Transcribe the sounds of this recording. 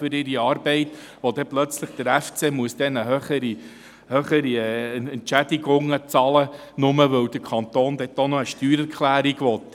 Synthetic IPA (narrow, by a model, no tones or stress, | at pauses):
fʏɾɪɾiɑːɾbɛɪt̪ | ʋɔd̪ɛplœt͡sləχd̥əɾæft͡seːmuəsd̥̪ɛnəɦøχəɾi | høχəɾiɛɛntʃæd̥̪iɡʊŋət͡sɑlə | nʊməʋɵwd̥̪əkʰɑnt̪oːnd̪ɛt̪onɔəʃtyːɾɛɾkχlæːɾiɡʋɔt̪ː